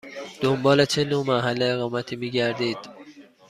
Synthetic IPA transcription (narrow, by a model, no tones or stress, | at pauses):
d̪̥ombɒːlet͡ʃʰenoːmæɦælːeːɣɒːmæt̪ʰiːmiːɟæɾd̪iːd̪̥